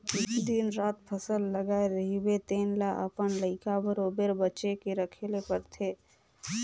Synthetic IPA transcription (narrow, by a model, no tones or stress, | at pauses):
it͡ʃd̪inɾat̪pʰəsəlːəɡaeɾəɦibet̪enlaʔə̰pənləɪkabəɾobeɾbətːʃekeɾəkʰelepəɾt̪ʰe